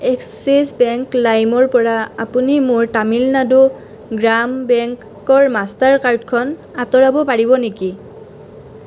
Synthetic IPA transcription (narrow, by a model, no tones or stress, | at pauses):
ɛkssisbɛŋklajmɔɹpɔɹaapunimʊɹtamilnadu | ɡɹambɛŋk | ɔɹmastaɹkaɹdkʰɔn | atɔɹabɔpaɹibɔneki